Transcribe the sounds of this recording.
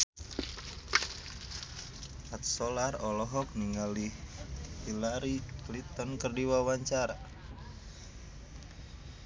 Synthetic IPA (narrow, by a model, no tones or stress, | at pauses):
ʔat̪̚sɔlarɔlɔɦɔk̚niŋalihhilaɾiklit̪ɔnkərdiwawaɲt͡ʃaɾa